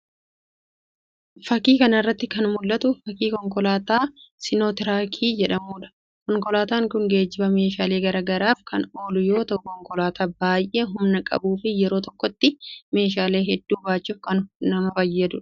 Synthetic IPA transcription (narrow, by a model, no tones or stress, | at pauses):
fɐkiːkɐnɪrːɐt̪ːɪkɐnmʊlːɐt̪ʊfɐkiːkɔŋkɔlaːt̪aːsɪnoːt̪ɪɾaːkʰiːd͡ʒɛᶑɐmuːᶑɐ̥ | kɔŋkɔlaːt̪aːŋkʊŋɡe̞ːd͡ʒːɪbɐme̞ːʃaːle̞ːɡɐɾaːɡɐɾaːfkɐnoːlʊjo̞ːt̪ɐʔʊkɔŋkɔlaːt̪ʰaːbaːjʔe̞ːɦʊmnɐkʼɐ̰buːfɪjɛɾoːt̪ɔkːɔt̪ːɪme̞ːʃ̬aːle̞ːɦɛd̪ːuːbaːt͡ʃːuːfkɐnnɐmɐfɐjːɐd̪ʊᶑ